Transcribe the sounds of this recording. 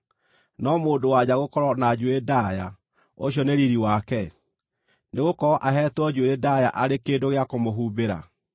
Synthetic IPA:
nɔmoːdowad͡ʑaɣokɔɾɔnad͡ʑuedaja | oɕjɔneɾiɾiwakɛ | neɣokɔɾɔʔaɦɛːtwɔd͡ʑueɾedaja̰ʔaɾekendoɣeakomoɦubeɾa̰

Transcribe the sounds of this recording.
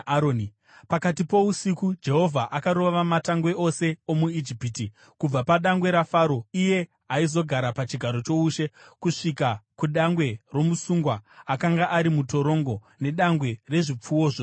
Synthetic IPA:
oni | pakatipo̞usikud͡ʒe̞ɦo̞vʱaʔakaɾo̞ʋaʋamataŋɡwe̞ʔo̞se̞omuid͡ʒipiːti | kub͡vapaɗaŋɡwe̞ɾafaːɾo̞ije̞ | aizo̞ɡʱaɾapat͡ʃiɡʱaɾo̞t͡ʃo̞uʃe̞kuʂikakuɗaŋɡwe̞ro̞musuŋɡwaakaŋɡaʔaɾimuto̞ɾo̞ŋɡo̞ | ne̞ɗaŋɡwe̞re̞ʐip͡fuoʐo

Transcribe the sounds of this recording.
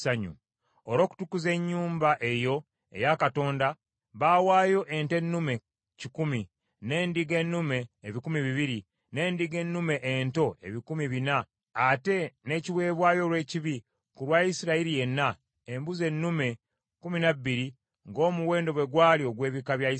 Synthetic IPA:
aɲṵ | oɾo̞ːku̥tukuze̞ɲːuːmbaʔe̞jo̞ | e̞̰jakato̞ːnda | βaːwaːjo̞ʔe̞nte̞nːume̞ | cikumi | ne̞ːndiɡe̞nːume̞ːβikumiβiβiɾi | ne̞ːndiɡe̞nːume̞ʔento̞ʔe̞̰βikumiβinaː | te̞ne̞ːciwe̞ːβwaːjo̞lwe̞ːciβi | kulwajisiɾaiɾije̞nːa | embuze̞nːume̞ | kuminabːiɾi | ŋɡo̞ːmuwe̞ːndo̞βwe̞ɡwaːlio̞ɡwe̞ːβikaβja

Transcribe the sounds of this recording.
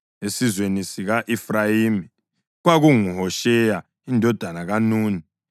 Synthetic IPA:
esizwenisiɣaʔifrajiːmi | ɣwaɣuŋuɦɔʃɛja | indʱɔd̥ʱanaɣanuːni

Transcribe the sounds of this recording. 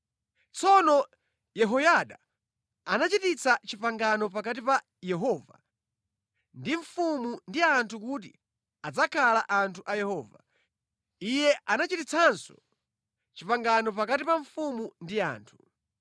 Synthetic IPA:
t͡sɔnɔ | jɛɦɔjaɗa | anat͡ʃitit͡sat͡ʃipaŋɡanɔpakat̬ipa | jɛɦɔːva̰ | ndiɱfumundiantʰukut̬i | ad͡zakʰalaʔantʰuʔajɛhɔːva̰ | ijɛʔanat͡ʃitit͡sʰansɔ̰ | t͡ʃipaŋɡanɔp̬akatipaɱfumundia̰ːntʰu̥

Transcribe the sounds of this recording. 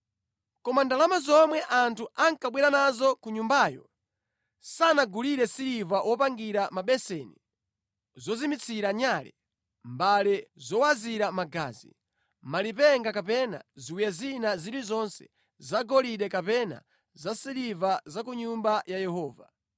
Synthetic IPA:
kɔmandalamazɔmwɛʔantʰuaŋkaɓwɛɾanazɔkuɲumbaːjɔ̰ | sanaɡuliɾɛsiɾivawʔɔpaŋɡiɾamaɓɛsɛnḭ | zɔzimit͡sʰiɾaɲalɛ̰ | mbalɛzɔwaziɾamaɡa̰ːzḭ | malip̬ɛŋɡakapɛna̰ziwijazinaziɾizɔnsɛ̥̰ | zaɡɔliɗɛkapɛna̰ | zasiɾivazakuɲumbajajɛhɔːva

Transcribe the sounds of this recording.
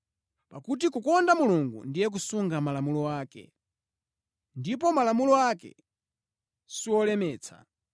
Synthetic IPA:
pakut̬ikukɔndamuluŋɡṵndijɛk̬usuŋɡamalamulɔaːkɛ̰ | ndip̬ɔmalamulɔakɛ̰ | siwɔlɛmɛːt͡sʰa̰

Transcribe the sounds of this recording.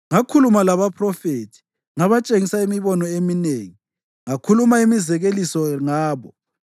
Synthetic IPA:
ŋakʰulumalaβapʰrɔfetʰi̥ | ŋaβat͡ʃʼeŋisaimiβɔnɔemineŋi | ŋakʰulumaimizɛɣelisɔŋaːβɔ

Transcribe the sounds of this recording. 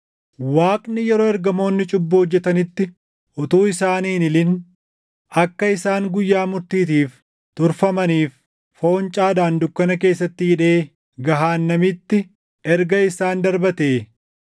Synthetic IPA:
waːkʼnɪjɛɾo̞ːɛɾɡɐmo̞ːnːɪt͡ʃʼʊbːʊhɔd͡ʒːɛt̪ɐnɪt̪ːɪ | ʊt̪uːɪsaːniːnɪlɪn | ɐkːɐɪsaːŋɡʊjːaːmʊɾt̪iːt̪iːf | t̪ʊɾfɐmɐniːf | fo̞ːnt͡ʃʼaːd̪aːnd̪ʊkːɐnɐke̞ːsːɐt̪ːɪhɪᶑe̞ː | ɡɐɦaːnːɐmɪt̪ːɪ | ɛɾɡɐɪsaːnd̪ɐɾbɐt̪eː

